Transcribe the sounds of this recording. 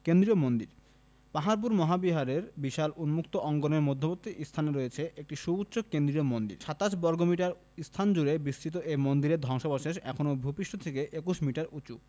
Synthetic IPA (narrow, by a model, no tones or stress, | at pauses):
kend̪ɾiomond̪iɾ | paɦaɾp̬uɾmɔɦabiɦaɾeɾbiʃalʔunmukt̪oʔɔŋɡonemod̪ʱːopot̪ːiʔist̪ʰaneɾojet͡ɕʰeʔek̚ʈiʃubutːɕokend̪ɾiomond̪ḭɾʃat̪aʃbɔɾɡomiʈaɾ | ist̪ʰand͡ʑuɾebist̪ʰit̪̬oʔemond̪iɾed̪ʱɔŋʃobaʃeʃɛ̰kʰonobʱupiʃʈot̪ʰekeʔekuʃmiʈaɾut͡ɕu